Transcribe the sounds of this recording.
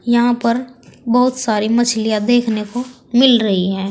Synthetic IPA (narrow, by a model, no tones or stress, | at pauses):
jɐɦãpɐɾbɐɦʊt̪saːɾimɐt͡ʃʰlijad̪eːkʰneko | mɪlɾɐɦiɦɛ̃ː